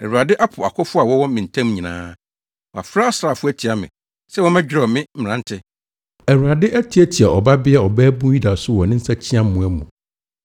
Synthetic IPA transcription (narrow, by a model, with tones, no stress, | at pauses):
ɛ˨wu˨ɾa˨dɪ˦ʔa˦pʰʊ˨a˨kʰɔ˦fʊ˦a˨wɔ˦wɔ̃˦mɪ̃˨n̩˨tʰã˦mɲĩ˨nã̰ː˦ | wɔ˨a˨fɾa˦a˦sɾa˨fʊ˦æ˦tʰi˨a˨mɪ̰̃˨ | sɛ˦wɔ̃˦mɛ̃˦d͡ʑᶣɪ˦ɾɔ˨mɪ̃˦m̩˦m̩˨ã˦n˦tʰɪ˦ | ɛ˨wu˨ɾa˨dɪ˦ʔæ˦tʰi˨˦æ˦tʰi˨a˨ɔ˨ba˦bɪ˦a˦˨ɔ˨bæː˦bũ˦ji˦da˨sʊ˦wɔ̃˨nɪ̃˦n̩˦sa˦t͡ɕʰi˦ã˦mũ˨ɛ˦mũ˨